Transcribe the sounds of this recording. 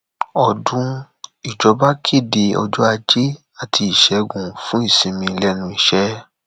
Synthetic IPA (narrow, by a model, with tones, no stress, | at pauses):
ɔ˨dũ˨˦ | i˨d͡ʒɔ˨˧ba˦kʰe˦˨de˧ɔ̰˧d͡ʒɔ˦a˧d͡ʒe˦ | a˦˨tʰi˧i˨ʃɛ˨˦ɡũ˨fũ˦i˦˨sĩ˧mĩ˧˦˧lɛ˦nũ˧˦i˦˨ʃɛ˦